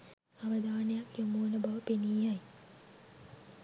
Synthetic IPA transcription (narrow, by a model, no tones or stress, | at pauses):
aʋəd̪aːnejakjomuːnəbaʋəpeniːjaj